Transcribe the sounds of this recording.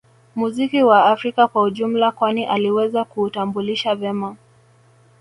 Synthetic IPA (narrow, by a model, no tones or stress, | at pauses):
muzikiwaːfɾikakwauʄum̩lakwaniʔaliwɛzakuːtambuliʃavɛma